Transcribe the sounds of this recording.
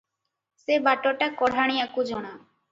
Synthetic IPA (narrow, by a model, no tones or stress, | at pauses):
sebaʈoʈakɔɽʱaɽ̃iakud͡ʒɔɽ̃a